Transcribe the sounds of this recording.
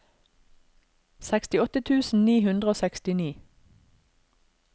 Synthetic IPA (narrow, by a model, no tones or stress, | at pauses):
sækst̪ɪɔt̪ət̪ʰʉːsn̩niːhʉnd̪ʁəoːsɛkst̪ɪniː